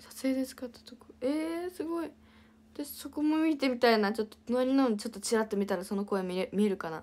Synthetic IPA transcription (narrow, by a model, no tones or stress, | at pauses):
sḁse̞ːd̪e̞sɨ̥kat̪ːḁt̪ːokɯ̥esɨɡo̞i | t̪aɕi̥so̞ko̞mo̞mʲit̪e̞mʲit̪ainat͡ɕo̞t̪ːonoɾʲinant͡ɕo̞t̪ːo̞t͡ɕiɾat̪ːe̞mʲit̪aɾaso̞no̞ko̞emʲiɾemʲiɾɯ̟kana̰